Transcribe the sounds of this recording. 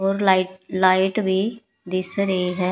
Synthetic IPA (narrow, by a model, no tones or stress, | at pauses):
oːɾlɪlaːɪʈʋiː | d̪ɪsɾəiːɦɛː